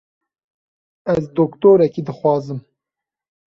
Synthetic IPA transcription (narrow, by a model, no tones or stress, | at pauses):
æzd̪oːkt̪oːɾɛkid̪ɨxʷwɑːzɨm